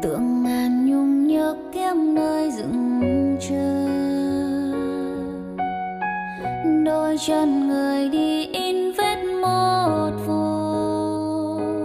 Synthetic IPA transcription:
t̪ɨ̰˧˨əŋmaː˨˩nɲʊ˧ŋ͡mɲəː˧˦kkɛ˧mnəː˧jzɨ̰˧˨˥ŋt͡ɕə˧ | ɗo˧jt͡ɕə˧˩nŋɨ˨˩əjɗi˧ʔi˧nve˦˥t̚mo˧o˨˩t̚fu˧˩

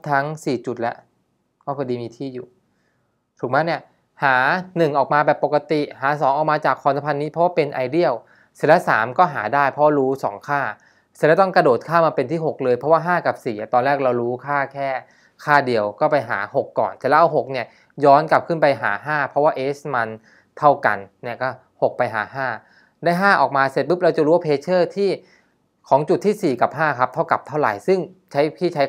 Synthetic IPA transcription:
t̪ʰa˦˥ŋsiː˨˩t͡ɕu˨˩lɛ˦˥ʔ | kɔː˥˩kʰɔ˧diː˧miː˧t̪ʰiː˥˩juː˨˩ | t̪ʰuː˨˩k̚ma˦˥ni˥˩ɐ | haː˩˦nɯ˨˩ŋʔɔː˨˩k̚maː˧bɛː˨˩pːo˨˩ka˧t̪i˨˩ʔhaː˩˦sɔː˩˦ŋʔɔː˨˩k̚maː˧t͡ɕaː˨˩kʰːɔ˧nsʰa˧˥pʰa˧nːiː˦˥pʰɔ˦waː˥˩pe˧nʔa˧jdi˥˩əw | si̥˧˩˦lɛ˦˥saː˩˦mkɔː˥˩ɦaː˩˦daː˥˩jpʰɾɔ˦˥waː˥˩ɾuː˦˥sɔː˩˦ŋkʰaː˥˩ | si˧˩nlɛ˦˥t̪ɔ˥˩ŋkɾa˧doː˨˩t̪̚kʰaː˥˩maː˧pe˧nt̪ʰiː˥˩ɦo˨˩k̚lɤː˧jpʰɾɔ˦˥waː˥˩ɦaː˥˩ka˨˩p̚siː˨˩ʔa˨˩t̪ɔː˧nɾɛː˥˩k̚ɾa˧wɾuː˦˥kʰaː˥˩kʰɛː˥˩ | kʰaː˥˩di˨˧əwkɔː˥˩pa˧jɦa̰ː˩˦ho˨˩kːɔ̰ː˨˩nt̪ɛː˨˩lɛ˦˥ʔa˧wɦo˨˩k̚ni˦˥˩ɐ | jɔː˦˥nka˨˩p̚kʰɯ˥˩npa˧jɦa̰ː˩˦ɦaː˥˩pʰɾɔ˦˥waː˥˩ʔeː˦˥sma˧n | t̪ʰa˥˩wka̰˧nːi˥˩kɔː˥˩ | ho˨˩k̚pa˧jɦa̰ː˩˦ɦaː˥˩ | daː˥˩jɦaː˥˩ʔɔː˨˩k̚maː˧se˧˦t̪̚bɯ˦˥p̚ɾa˧wt͡ɕa˨˩ɾu˦wa˥pʰeː˧t͡ɕʰɤː˥˩t̪ʰiː˥˩ | kʰɔː˩˦ŋt͡ɕu˨˩t̪ʰːiː˥˩siː˨˩ka˨˩p̚ɦaː˥˩kʰa˦˥p̚t̪ʰa˥˩wka˨˩p̚t̪ʰa˥˩wɾa̰˨˩jsɯ˥˩ŋ | t͡ɕʰa˦˥jpʰiː˥˩t͡ɕʰa˦˥j

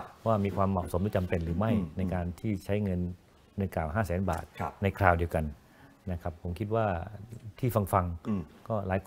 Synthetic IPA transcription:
waː˥˩miː˧kʰwaː˧mːɔ̰ː˨˩k̚so˨˩˦mɾɯː˩˦t͡ɕa˧mpe˧nɾɯː˩˦ma˥˩jna˧jkaː˧nt̪ʰiː˥˩t͡ɕʰa˦˥jŋɤ˧nː | ɯ˧ŋkaː˨˩wɦaː˥˩sɛː˩˦nba̰ː˨˩t̪̚na˧jkʰɾaː˧wdi˧əwka˧n | na˦˥˩kʰa˦˥p̚pʰo˩˦mkʰi˦˥t̪̚waː˥˩t̪ʰiː˥˩fa˧ŋfa˧ŋkɔː˥˩laː˨˦jkʰ

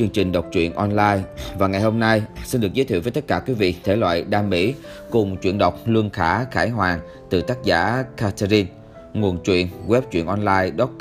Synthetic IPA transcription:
t͡ɕɨ˧əŋt͡ɕï˨˩ŋ̟ɗə˨˩wk͡p̚t͡ɕwḭ˧˨ənʔɔ˧nlaː˧jvaː˨˩ŋa˨˩jho˧mna˧jsi˧nɗɨ˨˩ək̚zə˨˦t̪ʰḭ˧˨vəː˨˦t̪ə˦˥t̚kaː˧˩kwi˨˦vḭ˧˨t̪ʰe˧˩lwa̰ː˧˨jɗaː˧mːḭ˧˥ | kʊ˨˩ŋ͡mt͡ɕwḭ˧˨ənɗə˨˩wk͡p̚lɨ˧əŋxaː˧˩˥xaː˧˩jɦwaː˨˩ŋ | t̪ɨ˨˩t̪aː˦˥k̚za̰ː˧˥kaː˧t̪ʰa˧zi˧n | ŋu˨˩ənt͡ɕwḭ˧˨ənɣwɛ˦˥p̚t͡ɕwḭ˧˨ənʔɔ˧nlaː˧jɗɔ˦˥t̚

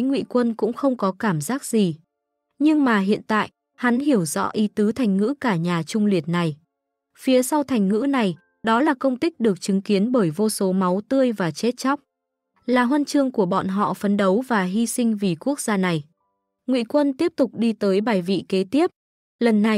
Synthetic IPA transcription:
jŋwḭ˧˨kwə˧nkʊ̰˧˥ŋ͡mxə˧wŋ͡mkɔ˨˦kaː˧˩mzaː˦˥k̚z̥i˨˩ | ɲɨ˧ŋmaː˨˩ɦḭ˧˨ənt̪a̰ː˧˨j | ha˨˦nhi˧˩əwzɔ̰˧˥ʔi˨˦t̪ɨ˨˦t̪ʰa˨˩jŋ̟ŋɨ̰˧˥kaː˧˩ɲaː˨˩t͡ɕʊ˧ŋ͡mli˨˩ət̚na˨˩j | fi˨˦əsa˧wt̪ʰa˨˩ŋ̟ŋɨ̰˧˥na˨˩j | ɗɔ˨˦laː˨˩kə˧wŋ͡mt̪ï˦˥k̟̚ɗɨ˨˩ək̚t͡ɕɨ˨˦ŋki˨˦ənɓəː˧˩jvo˧so˨˦ma˨˦wt̪ɨ˧əjvaː˨˩t͡ɕe˦˥t̚t͡ɕa˦˥wk͡p̚ | laː˨˩ɦwə˧nt͡ɕɨ˧əŋku˧˩əɓɔ̰˧˨nɦɔ̰˧˨fə˨˦nɗə˨˦wvaː˨˩ɦi˧sï˧ŋ̟vi˨˩ku˦˥ək̚z̥aː˧na˨˩j | ŋwḭ˧˨kwə˧nt̪i˦˥əp̚t̪ʊ˨˩k͡p̚ɗi˧t̪əː˨˦jɓaː˨˩jvḭ˧˨ke˨˦t̪i˦˥əp̚ | lə˨˩nːa˨˩

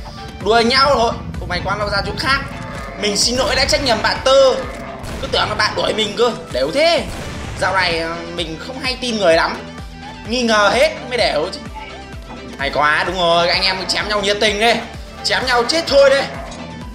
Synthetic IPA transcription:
ɗu˨˧˩ə˨ɲa˧wt̪ʰo˧˩jkʊ˨˩ma˨˩jkwaː˨˧ma˧wzaː˧t͡ɕu˦˧˥t̚xaː˦˥k̚ | mï˨˩ŋ̟si˧nːo̰˧˥jɗa̰ː˧˥t͡ɕa˦˥k̟̚ɲə˨˩mɓa̰ː˧˨nt̪əː˧ | kɨ˨˦t̪ɨ˨˧˩ə˨ŋaː˨˧˩ɓa̰ː˧˨nɗu˧˩ə˨jmï˨˩ŋ̟kɨ˧əɗe˧˩wt̪ʰe˨˦ | zaː˧˩wna˨˩jmï˨˩ŋ̟xə˧wŋ͡mɦa˧jt̪i˧nŋɨ˨˩əjla˨˦m | ŋi˧ŋəː˨˩he˦˥t̚mə˨˦jɗe˧˩wt͡ɕɨ˧˦ | na˨˩jkwaː˨˦ɗʊ˨˦ŋ͡mzo˨˩ja˧jŋ̟ʔɛ˧mkɨ˧˦t͡ɕɛ˨˦mɲa˧wɲi˨˩ət̚t̪ï˨˩ŋ̟ɗe˧ | t͡ɕɛ˨˦mɲa˧wt͡ɕe˦˥t̚t̪ʰo˧jɗe˨˧˦

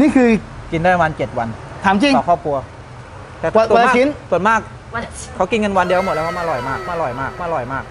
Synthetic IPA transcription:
niː˥˩kʰɯː˧ki˧ndaː˥˩ɾa˧aː˧nt͡ɕe˨˩t̪̚wa˧n | t̪ʰaː˩˦mt͡ɕi˧ŋː˧kʰɔː˥˩p̚kʰu˧ɐ | t̪ɛː˨˩˨a˧˥˧i˦˥nsu˨˩ənmaː˥˩k̚ | kʰːa˨˦˥wki˧nŋɤ˧nwa˧ndi˧˦m˨˩t̚lːkʰa˦˥maː˧lɔ˨˩jmaː˥˩k̚maː˧˩lɔ˨˩jmaː˥˩k̚maː˧˩lɔ˨˩jmaː˥˩k̚

